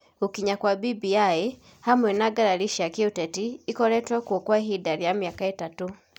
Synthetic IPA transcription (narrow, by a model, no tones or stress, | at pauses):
okiɲakwabibiae | hamwɛnaɡaɾaliʃiakiotɛtiːkɔlɛtwakwokwaɦidaɾijamjakaetatu